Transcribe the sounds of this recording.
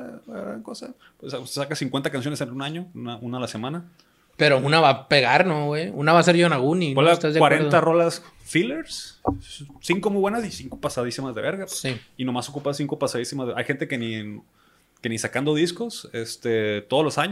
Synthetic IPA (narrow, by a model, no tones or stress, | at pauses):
aaɣɾa̰ŋkosa̰ | pwesassakasiŋkwe̞nt̪akansjo̞nesenunaɲonaʔunalase̞mãna | peɾounaβapeɣaɾnowejunaβaseɾʝonaɣuniwalat̪azkwaɾent̪aro̞las | fileɾs | siŋko̞mujβwe̞nasisiŋko̥pasaðisimazðe̞βeɾɣasiino̞masokupasiŋko̞pasaðisimazðeʔajxe̞nt̪e̞keni | kenisakand̪o̞ðisko̞sest̪et̪o̞ð̞olosaɲ